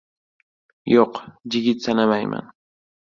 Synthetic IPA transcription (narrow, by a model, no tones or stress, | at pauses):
joqd͡ʒɪɡɪt̪sanamajma̰n